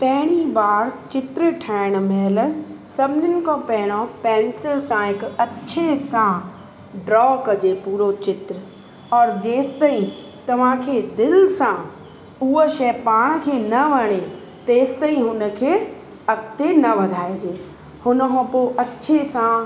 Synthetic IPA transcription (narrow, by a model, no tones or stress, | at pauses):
pɛɦɽ̃ibaːɾt͡ʃɪt̪ɾəʈʰɛːɪɽ̃mɛːlsɐbnɪnɪ̆kõpɛːɪɽ̃õpɛ̃ːnsɪlsãɪkɐtːʃʰesã | ɖɾɔːkɐd͡ʒepuːɾot͡ʃɪt̪ɾə | ɔːɾd͡ʒeːst̪ɐɦĩ | t̪ɐʋ̤ãkʰed̪ɪlsã | uːəʃɛːpaːɽ̃kʰeːnɐʋɐɽ̃e | t̪eːst̪əɦĩɦʊnə̆kʰeː | ɐkt̪enɐʋɐd̪ʱaːed͡ʒeː | hʊnɦõpoʔɐtːʃʰesã